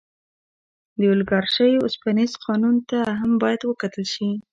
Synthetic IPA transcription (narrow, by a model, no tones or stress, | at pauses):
d̪əʊlɡɑɾʃəjʊ̰spɑnizqʰɑnunt̪aɦambɑjad̪wəkat̪əlʃi